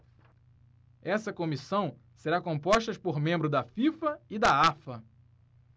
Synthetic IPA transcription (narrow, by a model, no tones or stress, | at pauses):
ɛsɐkõmisɐ̃w̃ | seɾakõpɔʃt̪ɐʃpoɾmẽmbɾʊd̪ɐfifɐɪd̪aafɐ